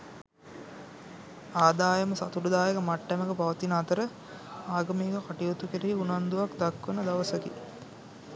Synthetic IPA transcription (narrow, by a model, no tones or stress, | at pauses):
aːd̪aːjəməsat̪uɾud̪aːjəkəmaʈːæməɡəpaʋət̪inat̪əɾə | aːɡɐmeːɡəkaʈijot̪ukeɾeɦiunand̪uʋakd̪akʋənəd̪aʋəsəkḭ